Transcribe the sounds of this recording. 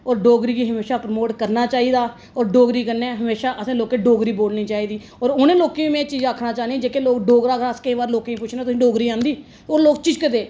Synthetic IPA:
ɔːɾɖoːɡɾiːkiːɦəmeːʃaːpɾəmoːʈkəɾnaːt͡ʃaːiːd̪aː | ɔːɾɖoːɡɾiːkəɾneːɦəmeːʃaːʔəsẽːloːkeːɖoːɡɾiːboːlniːt͡ʃaːiːd̪iː | ɔːɾʊnẽːloːkeːimẽːt͡ʃiːd͡ʒaːkʰnãːt͡ʃaːniːd͡ʒeːkeːloːkɖoːɡɾaːkʰaskəĩːʋaːɾloːkẽːĩːpʊt͡ʃʰneːt̪ʊsĩɖoːɡɾiːãːnd̪iː | oːɾloːk̚t͡ʃɪd͡ʒkəd̪eː

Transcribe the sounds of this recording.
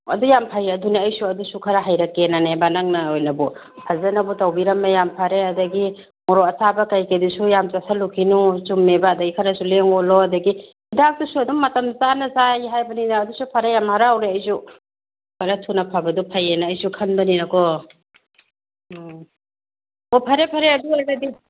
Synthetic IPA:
ɐdujampʰajɐdunaːjsuɐdusukʰaɾaɦajɾɐkːenanebanaŋnɐojnɐbɔ | hʰazɐnɐbutawbiɾɐmnɐjampʰaɾeɐdɐɡi | mɔɾɔɐsabɐkajkedusujamzasʰalukʰinut͡ʃumːebɐːdɐɡikʰɐɾɐsuleŋɔlɔɐdɐɡi | idak̚tusuɐduŋːɐtɐmzanɐzajɦajbɐninaːdusupʰaɾajamhaɾaːwɾeɐjsu | kaɾatʰunɐpʰabɐdupʰajenaːjsukʰɐnbɐninɐkɔ | ɔpʰaɾepʰaɾeɐdunadi

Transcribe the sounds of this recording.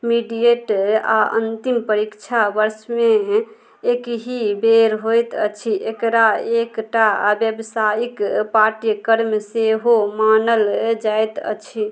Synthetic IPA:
miɖijeʈa̰ə̰nt̪impəɾikt͡ʃʰabəɾsmeː | kɦibeɾɦojt̪ə̰t͡ʃʰiʔekɾaekʈabjəbsajikpaʈijkəɾmseɦomanəld͡ʒajt̪ə̰t͡ʃʰi

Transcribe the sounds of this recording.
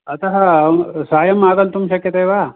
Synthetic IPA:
ɐt̪ɐɦɐsaːjɐmaːɡ̪ɐlt̪umʃɐkjɐt̪ɐjʋaː

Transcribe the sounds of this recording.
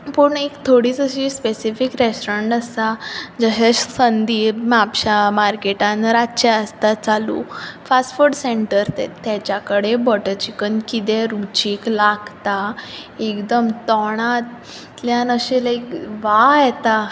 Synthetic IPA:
pəɳekt̪ʰoɽiːt͡səɕispesifikɾesʈɔɾəɳʈəsad͡ʑəɦeɕsənd̪iːmapɕamaɾkeʈãnɾat͡ɕɛəst̪at͡salṵːfasfuɾɖseɳʈəɾt̪ɛ̰t̪jat͡ɕjakəɽebɔʈət͡ɕikənkit̪eɾut͡ɕiːklaɡt̪aekd̪əmt̪ɔɽ̃at̪ | ljãnəɕelajkʋajɛt̪a

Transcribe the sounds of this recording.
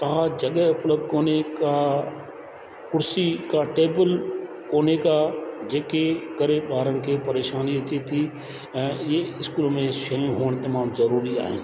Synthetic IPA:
t̪ɐɦãd͡ʒɐɠəʊpləb̚d̪koːneka | kʊɾsikaʈeːbəl | koːnekad͡ʒeːkekɐɾeɓaːɾənɪ̆kʰepɐɾeːʃaːniɐt̪ʰet̪ʰi | ɛ̃ːjeɪskuːlmẽʃɐjũɦoːɽ̃t̪ɐmaːmzɐɾuːɾia̰ːɦɪ̰̃ː

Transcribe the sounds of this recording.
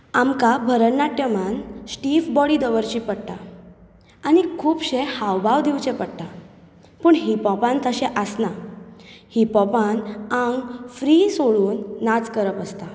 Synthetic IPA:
amkabʱəɾənːaʈjəmansʈifbɔɽid̪əʋəɾt͡ɕipəɽʈ̪a̰ | anikʰuːpɕehawbaʋd̪iwt͡ɕẽpəɽʈ̪a | pəːɳɦipɔpãnt̪əɕɛ̃ʔəsna | hipɔpãnãŋɡfɾisoɭuːnːat͡skəɾəpəst̪a

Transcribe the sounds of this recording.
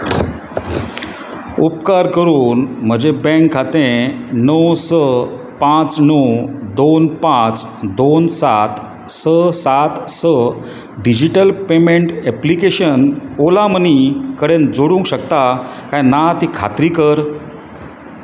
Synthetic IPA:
upkaɾkəɾuːnm̤əd͡ʑebɛ̃ŋkʰːat̪ẽnəwsə | pãt͡snəwd̪onpãt͡s | d̪onsat̪ | səsat̪sə | ɖid͡ʑiʈəlpemeɳʈɛplikeɕənolamənikəɽend͡zoɽũŋkɕəkt̪akajnat̪ikʰa̰t̪ɾikəɾ

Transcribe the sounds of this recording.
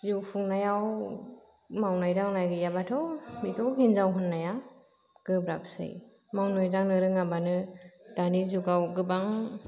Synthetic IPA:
zupʰuŋnajaw | mawnajɾaŋnajɡɯjabatʰɔmikʰɔwɦinzawɦɯnːaja | ɡ̥ɯbɾapsɯ̰j | mawnɔjdaŋnɯɾɯŋabanɯd̥anizuɡawɡɯbaŋ

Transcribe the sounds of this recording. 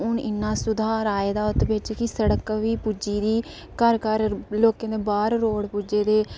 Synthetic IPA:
ʊnɪnːãːsʊd̪ʱaːɾaːeːd̪aːʊt̪bɪt͡ʃkɪsəɽəkʋiːpuːd͡ʒiːd̪iː | kəɾkəɾloːkẽːd̪eːbaːɾɾoːɽpuːd͡ʒeːd̪eː

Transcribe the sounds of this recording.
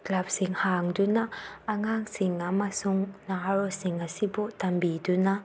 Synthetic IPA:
klap̚siŋhaŋdunaːŋaŋsiŋamasuŋnaaɾosiŋasibɔtambiduna

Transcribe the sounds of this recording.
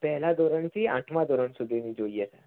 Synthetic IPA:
pɛɦlad̪ɔɾəɳt͡ɕiãʈʰmad̪ɔɾəɳsud̪ʱenid͡ʑoiəsa

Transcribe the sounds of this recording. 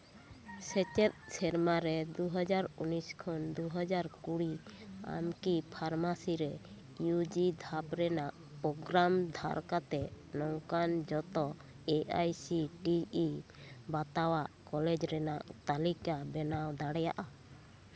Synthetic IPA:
sɛt͡ʃɛt̪̚sɛɾmaɾɛd̪uɦɔd͡ʒaɾuniskʰɔnd̪uɦɔd͡ʒaɾkuɽia̰mkipʰaɾmasiɾɛ | jud͡ʒid̪ʱapɾɛnaʔ | pɔɡɾamd̪ʱa̰ɾkat̪ɛ | nɔŋkand͡ʒɔt̪ɔ | eajsiʈiibat̪awaʔkɔlɛd͡ʒɾɛnaʔt̪alikabɛnawd̪aɽɛja̰ʔa

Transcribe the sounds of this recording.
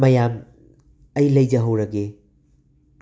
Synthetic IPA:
mɐjam | ɐjlɐjd͡ʒɐɦɐwɾɐɡe

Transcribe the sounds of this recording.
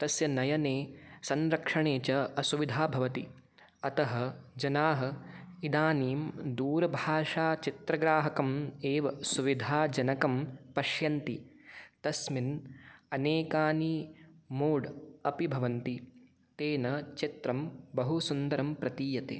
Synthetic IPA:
t̪ɐsjɐnɐjɐneːsɐnɾɐkʂɐɳeːt͡ʃɐɐsuʋid̪ʱaːbʱɐʋɐt̪i | ɐt̪ɐɦɐ̆d͡ʒɐnaːɦɐ̆id̪aːniːmd̪uːɾɐbʱaːʂaːt͡ʃit̪ɾɐɡɾaːɦɐkɐmeːʋɐsuʋid̪ʱaːd͡ʒɐnɐkɐmpɐʃjɐnt̪it̪ɐsminɐneːkaːniːmoːɖɐpibʱɐʋɐnt̪i | t̪eːnɐt͡ʃit̪ɾɐmbɐɦusund̪ɐɾɐmpɾɐt̪iːjɐt̪ḛː

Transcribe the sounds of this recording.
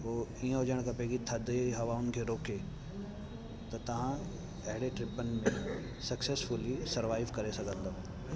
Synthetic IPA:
oːiːə̃ɦʊd͡ʑəɽ̃kʰɐpeːɡit̪ʰɐd̪eɦɐʋaʊnɪ̆kʰeːɾoːkʰe | t̪ɐt̪ɐʋ̤ã | ɐɦɪɽeʈɾɪpənɪ̆mẽ | sɐksesfʊlisɐɾʋaːɪʋkɐɾesɐɡʱə̃nd̪oːɦ

